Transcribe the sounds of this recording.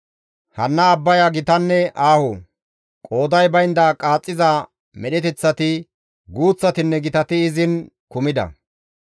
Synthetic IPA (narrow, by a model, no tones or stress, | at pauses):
hɐnːɐːbːɐjɐɡɪt̪ɐnːɛʔaːhɔ | kʼo̞ːd̪ɐjbɐjnd̪akʼaːt͡sʼːɪza | mɛɗɛt̪ɛt͡sːɐt̪ɪ | ɡuːt͡sːɐt̪ɪnːɛɡɪt̪ɐt̪ɪːzɪnkʊmɪd̪ɐ̰